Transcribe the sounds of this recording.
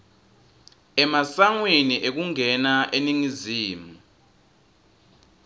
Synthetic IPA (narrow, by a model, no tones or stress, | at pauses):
ɛmasaŋweniʔek̬uŋɛnaʔeniŋiziːmu